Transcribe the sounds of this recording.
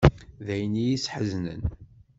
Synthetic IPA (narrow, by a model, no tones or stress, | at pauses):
ðæjnijisħəznə̰n